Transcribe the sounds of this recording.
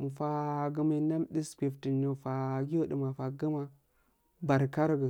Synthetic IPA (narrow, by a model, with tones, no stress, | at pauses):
fa˦ɡə˦mə˦na˦mɗi˦skʷi˨fti˨no˨fa˨ɡi˦o˦ɗə˨ma˨fa˨ɡə˦ma˦ | ba˨ɾka˦ɾɡə˨